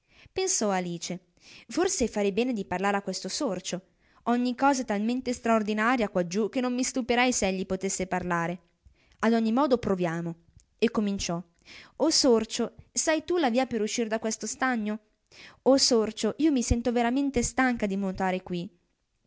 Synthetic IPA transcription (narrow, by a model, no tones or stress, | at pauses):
pensɔaliːt͡ʃe | forsefaɾɛjbɛːned̪iparlaːɾeakːwest̪osort͡ʃo | ɔɲːikːɔːzat̪alment̪est̪ɾaord̪inaːɾjakwad͡ʒuk̟ːenːomːist̪upeɾajsɛʎːipot̪esːeparlaːɾe | ad̪ɔɲːimɔːd̪opɾovjaːmo | ekːomint͡ʃɔ | osort͡ʃosajt̪ulaviːapeɾuʃːiɾd̪akwest̪ost̪aɲːo | osort͡ʃoʔiːomisɛnt̪oveɾament̪est̪aŋkad̪imont̪aːɾekwi